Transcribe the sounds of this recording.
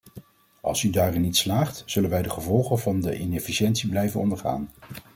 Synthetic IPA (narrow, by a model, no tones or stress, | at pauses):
ʔɑ̰lˠsydaːrɪnːitslaːχtz̥ɵlənʋɛjdəχəvɔlˠχənvɑndə̰ʔɪnɛfiʃɛntsiblɛjvənɔndəɹχa̰ːn